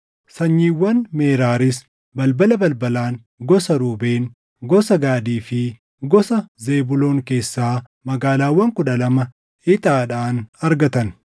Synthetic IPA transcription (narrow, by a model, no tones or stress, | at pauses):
sɐɲːiːwːɐnmeːɾaːɾɪs | bɐlbɐlɐbɐlbɐlaːŋ | ɡɔsɐɾuːbeːn | ɡɔsɐɡaːd̪iːfɪ | ɡɔsɐze̞ːbʊlo̞ːŋke̞ːsːaː | mɐɡaːlaːwːɐŋkʊᶑɐlɐmɐ | ɪt̪ʼaːᶑaːnɐɾɡɐt̪ɐn